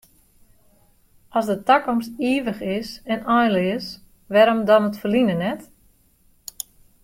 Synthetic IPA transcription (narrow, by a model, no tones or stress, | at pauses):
ʔɔsdətakɔmstiəʋəxɪsɛnɔjnlɪəs | ʋɛɾomdɔnətfərlinənɛt